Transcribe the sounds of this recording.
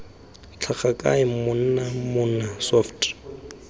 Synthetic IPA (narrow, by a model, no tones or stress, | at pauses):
t͡ɬʰaχakʼa̰ɪmʊn̩namʊnasɔftʰʼ